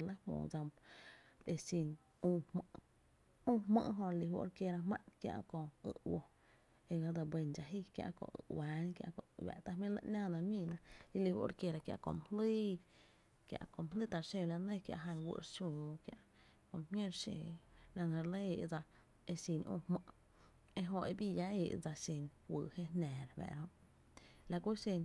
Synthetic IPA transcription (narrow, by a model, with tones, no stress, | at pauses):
lə˦hmõ̰ː˧˨d͡za˧m | e˧sĩ˧˨n | ũː˧mə˧˨ʔ | ũː˦˧mə̰̃˦˧ʔɦõ˧li˧wo̰˧ɾkje˧ɾa˧mã˦ʔnkja̰˧ʔkõ˧ɨ̰˧ʔwo˧ | e˧ɡa˧d͡za˧bʷe˧nd͡ʒa˧ɦi˦kja̰˧ʔkõ̰˧˨ʔɨ̰˨waː˨˦nkja̰˧ʔkõ̰˧˨ʔwa̰˨t̪a˦mĩ˦lə̰˦ʔnãː˦˨nã˧mĩː˦˧nã˧i˧li˧hwṵ˧ʔɾke˧ɾa˧kja̰˧ʔkõ̰˧˨m˨hliː˦ | kja̰˧˨ʔkõ˨m˨li˦t̪a˧˨ɾʃe˧la˧nẽ˦˧kja̰˧ʔɦa˧nwɨ̰˧ʔɾʃũː˧kja˧ʔ | kõ˧mhẽ˦ɾʃe˧la˧nẽ˧ɾle˦e˧ʔd͡za˧ | e˧si˧nʔõ̰˧˨hmə̃˧ʔ | e˧ɦõ˧ʔe˧bi˦ja˦e˧˨ʔd͡za˧ʃe˧nwɨ˧˨he˦nɛ̃ː˨ɾbɛ̰˨ɾõ˧ʔ | la˧kʷu˦ʃe˧n